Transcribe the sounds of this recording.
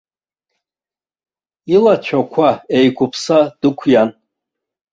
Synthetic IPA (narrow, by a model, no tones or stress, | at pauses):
ilat͡ʃʷʰakʷʰaejɡʷʊpʰsad̥ɨkʷʰjan